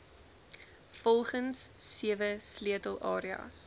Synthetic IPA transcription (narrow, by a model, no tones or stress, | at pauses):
fɔlˠχənsːiəvəsliətəlˠɑːɾiɑ̰s